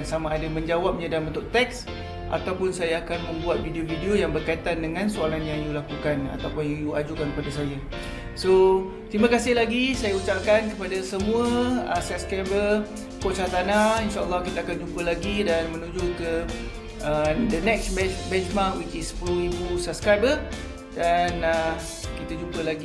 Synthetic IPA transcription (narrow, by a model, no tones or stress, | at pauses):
nsamaːdamə̃ɲd͡ʒawap̚ɲadalmbənt̪ʊʔ̚t̪ɛk̚s | ʔa̰t̪awpʊnsajaːkanmə̃mbuat̪̚vidiovidiojaŋbərkait̪andəŋãnsualanjaŋjulakukana̰t̪awpʊnjaŋjuad͡ʒukankəpadasaja | so | t̪ɾimakasɪhlaɡisajaut͡ʃap̚kankəpadasəmũəəsap̚skɾabə | kot͡ʃat̪anainʃaəlːɑhkit̪əakand͡ʒumpəlaɡidanmə̃nũd͡ʒokə | ədənɛksbɛbɛnsmakwit͡ʃispluibusap̚skɾajbə | danə | kit̪ad͡ʒumpəlaɡi